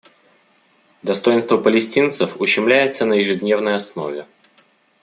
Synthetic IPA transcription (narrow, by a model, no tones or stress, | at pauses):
d̪ɐst̪o̞jɪnst̪vəpəlʲɪsʲtʲint̪səfʊɕːɪmlʲæjɪt̪sənəjɪʐɨd̪ʲnʲe̞vnəjɐsno̞̰vʲɪ